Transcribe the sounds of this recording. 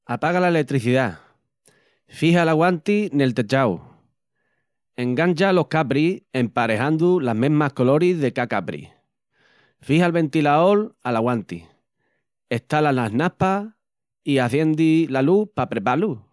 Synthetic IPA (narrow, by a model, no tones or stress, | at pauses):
apaɣalaelet̪ɾiθiða | fiɦalaɣwant̪ine̞lt̪e̞t͡ʃaw | e̞ŋɡanʲt͡ʃalo̞hkapɾie̞mpaɾe̞hand̪ulamẽɦmahko̞lo̞ɾiðe̞kakapɾḭ | fihalβẽ̞nt̪ilaolalaɣwant̪ḭ | e̞ht̪alanaɦnapa | iaθje̞nd̪ilalupapɾe̞palu